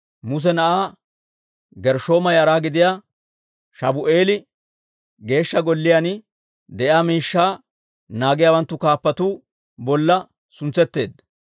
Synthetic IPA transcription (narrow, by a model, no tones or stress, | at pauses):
mʊs̬ɛnɐʔaː | ɡɛɾʃo̞ːmɐjɐɾaːɡɪd̪ɪjaː | ʃɐbʊʔeːlɪ | ɡe̞ːʃːɐɡɔlːɪjan | d̪ɛʔjaːmiːʃːaː | naːɡɪjaːwɐnt̪ːʊkaːpːɐt̪uː | bɔlːɐ | sʊnt͡sːɛt̪ːe̞ːd̪ːɐ